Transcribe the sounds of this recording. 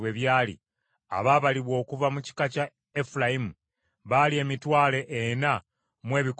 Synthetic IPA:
we̞βjaːlḭ | a̰βaːβaliβwo̞ːkuvamuci̥kaca | efulajimu | βalie̞ːmitwaːle̞ʔena | mwe̞ːβik

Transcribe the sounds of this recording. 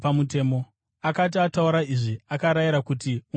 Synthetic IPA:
amut̬e̞ːmo̞ | akat̬iatauɾaiʐiakaɾajiɾakutiu

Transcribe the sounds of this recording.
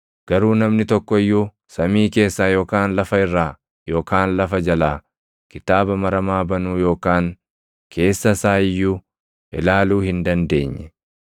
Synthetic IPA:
ɡ̥ɐɾuːnɐmnɪt̪ɔkːɔɪjːuː | sɐmiːke̞ːsːaːjo̞ːkaːnlɐfɐɪrːaː | jo̞ːkaːnlɐfɐd͡ʒɐlaː | kɪt̪aːbɐmɐɾɐmaːbɐnuːjo̞ːkaːŋ | kʰe̞ːsːɐsaːɪjːuː | ʔɪlaːluːhɪnd̪ɐnd̪e̞ːɲːɛ

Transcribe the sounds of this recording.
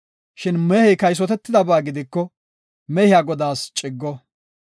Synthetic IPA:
ʃɪnmɛhɛjkɐjs̬ɔt̪ɛt̪ːɪd̪ɐbaːɡɪd̪ɪkːɔ | mɛhɪjaːɡɔd̪aːst͡ʃʼɪɡːɔ

